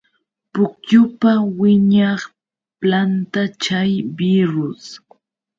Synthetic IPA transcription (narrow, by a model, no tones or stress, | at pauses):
pʊkjʊpawɪɲɑχ | plant̪at͡ʃajbɪɾʊs